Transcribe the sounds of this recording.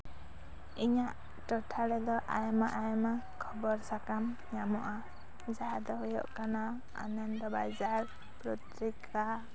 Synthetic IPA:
iɲaʔ | ʈɔʈʰaɽɛd̪ɔʔa̰jɔmaʔajɔma | kʰɔbɔɾsakam | ɲamɔʔa | d͡ʒad̪ɔɦujɔ̰ʔkana | a̰nand̪ɔba̰jzaɾ | pɾɔt̪ɾika

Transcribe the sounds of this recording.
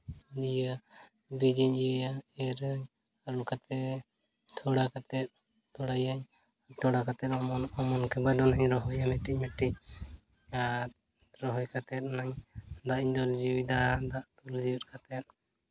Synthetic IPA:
dija | bid͡ʒiɲijaɛɾɲ | alɔkat̪ɛ | t̪ʰɔɽakat̪ɛt̪̚ | t̪ɔɽajaɲ | t̪ʰɔɽakat̪ɛt̪ɔmɔnkɛbad̪ɔnaɲɾɔɦɔjamɛʈic̚mɛʈiɲ̚ | a | ɾɔɦɔjkat̪ɛt̪̚naɲd̪aʔiɲd̪ɔld͡ʒiwid̪ad̪aʔt̪ɔld͡ʒiwit̪̚kʰat̪ɛt̪̚

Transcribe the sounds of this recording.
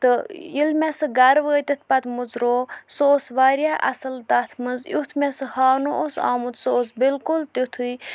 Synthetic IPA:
t̪ɨilmʲɛsɨɡɐɾʋəːt̪it̪̚ʰpɐt̪muzɾoːsoːsʋaːɾjaʔɐ̰sɨlt̪at̪ʰmɨnzut̪ʰmʲɛsɨhaːnoʔosa̰ːmut̪soːsbilkult̪it̪ʰu

